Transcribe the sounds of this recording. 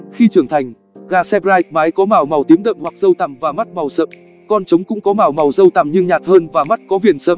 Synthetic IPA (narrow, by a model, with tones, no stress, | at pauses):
xi˧t͡ɕɨ˧˩əŋt̪ʰa˨˩jŋ̟ | ɣaː˧sɛ˧pzaː˧jk̚maː˨˦jkɔ˨˦maː˨˩wma˨˩wt̪i˨˦əmɗə̰ː˧˨mhwa˨˩k̚zə˧wt̪a˧˩mvaː˨˩ma˦˥t̚ma˨˩wsə̰ː˧˨m | kɔ˧nt͡ɕə˨˦wŋ͡mkʊ̰˧˥ŋ͡mkɔ˨˦maː˨˩wma˨˩wzə˧wt̪a˨˩mɲɨ˧ŋɲaː˨˩t̚həː˧nvaː˨˩ma˦˥t̚kɔ˨˦vi˨˩ənsəː˧m